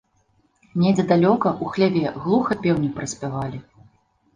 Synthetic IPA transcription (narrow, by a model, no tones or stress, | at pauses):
nʲɛd͡zʲɛd̪alʲɔkɐʔuxlʲavʲɛɣlˠuxɐpʲɛwnʲipɾɐsʲpʲavalʲi